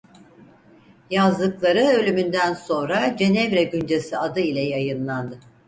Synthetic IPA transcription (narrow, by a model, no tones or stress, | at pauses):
jazd̪ɯklˠaɾɯø̞lʲymynd̪ænso̞nɾad͡ʒe̞nɛvɾɛɟynd͡ʒe̞siad̪ɯilʲɛjajɯnlˠand̪ɯ